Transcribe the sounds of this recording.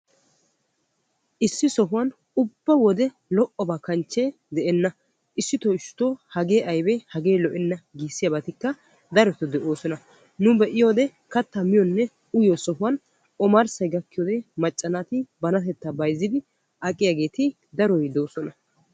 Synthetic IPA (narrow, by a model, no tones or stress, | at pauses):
ʔɪsːɪsɔɦʊwɐn | ʊbːɐwɔd̪ɛ | lɔʔɔbakɐnt͡ʃːeː | d̪ɛʔɛnːɐ | ʔɪsːɪt̪ɔɪʃʊ̥t̪oːhɐɡe̞ːʔɐjbɛhɐɡe̞ːlɔʔɛnːɐɡiːsːɪjɐbɐt̪ɪkːɐ | d̪ɐɾɔt̪ɔd̪ɛʔo̞ːsɔnɐ | nʊbɛʔɪjo̞ːd̪ɛ | kɐt̪ːɐmɪjɔnːɛ | ʊjɔsɔɦʊwɐn | ʔɔmɐɾsɐjɡɐkːɪjɔːd̪ɛmɐt͡ʃʼːɐnat̪ɪbɐnɐt̪ɛt̪ːɐbɐjzːɪd̪ɪ | ʔɐkʼɪjaɡe̞ːt̪ɪ | d̪ɐɾɔjd̪o̞ːsɔnɐ